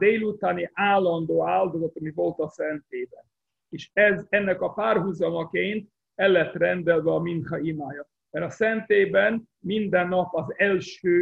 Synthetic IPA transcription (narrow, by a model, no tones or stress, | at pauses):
d̪eːlut̪aːniʔaːlːɒnd̪oːaːld̪o̞zɒt̪ɒmivo̞lt̪ɒsɛnt̪eːbɛn | eːʃɛzɛnːɛkɒpaːrɦuzɒmɒkeːnt̪̚ | ɛlːɛt̪ːrɛnd̪ɛlvɛɒminχɒimaːjɒ | mɛɾɒsɛnt̪eːbɛn | mind̪ɛnːɒpɒzɛlʃøː